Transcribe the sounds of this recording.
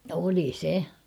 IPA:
oli se

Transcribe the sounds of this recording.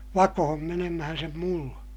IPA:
ʋɑkohom menemæhæn sem mulːɑ̥

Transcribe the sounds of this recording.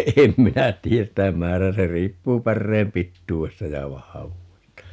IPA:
em minæ tiːæs sitæ mæːræː se riːpːuː pærːeːm pitːuːestɑ jɑ ʋɑhɑʋuːestɑ

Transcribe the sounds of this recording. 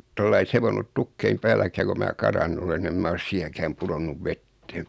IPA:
tolːɑi seʋonːut tukːeim pæːlækæː ko mæː kɑrɑnːu olen ni em mæ os siːnækæːm puɾonːuʋ ʋetːeː

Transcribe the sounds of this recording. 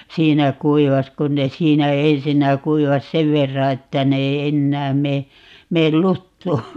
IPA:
siːnæ kuiʋɑs kun ne siːnæ ensinːæ kuiʋɑs seʋ ʋerːɑ etːæ ne ei enːæːm meː meːl lutːuː

